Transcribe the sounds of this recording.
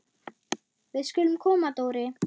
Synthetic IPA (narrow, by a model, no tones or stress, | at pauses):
ðɪskʏlmkʰɔːmat̪owɾɪ